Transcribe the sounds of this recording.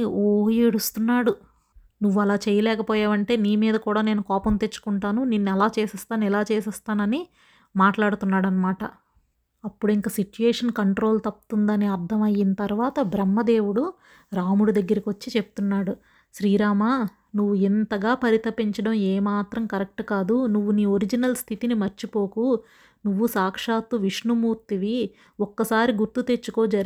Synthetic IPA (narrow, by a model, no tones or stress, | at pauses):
oːjɽust̪unːaːɽu | nuʋːuɐlaːt͡ʃɛːjɐlɛːkɐpoːjaːʋɐɳʈe̞ːniːmiːd̪ɐkuːɽaːne̞ːnukɔːpɐnt̪et͡ʃːu̥kuɳʈaːnuninːuɛlaːt͡ʃeːsɛst̪aːnuilaːt͡ʃeːsɛst̪aːnɐni | maːʈlaːɽut̪unːaːɽɐnːɐmaːʈɐ̰ | ɐpːuɽiŋkaːsit͡ʃueːʂɐnkɐɳʈɾo̞ːlt̪ɐp̚t̪und̪ɐneːɐɾd̪ʱɐmɐjːinɐt̪ɐɾuʋaːt̪ɐbɾɐmːɐd̪e̞ːwuɽu | ɾaːmuɽud̪ɐɡːɐɾikiʋɐt͡ʃːit͡ʃe̞pu̥t̪unːaːɽu | ʃɾiːɾaːmaː | nuʋːuint̪ɐɡaːpɐɾit̪ʰɐpiɲt͡ʃɐɽɐmeːmaːt̪ɾɐmkɐɾek̚ʈukaːd̪unuʋːuniːoɾid͡ʒinɐlst̪ʰit̪inimɐɾt͡ʃipo̞ːku | nuʋːusaːkʂaːt̪uʋiʂnumuːɾt̪iʋi | ɔkːɐsaːɾiɡuɾt̪ut̪e̞t͡ʃːukoːd͡ʒɐɾ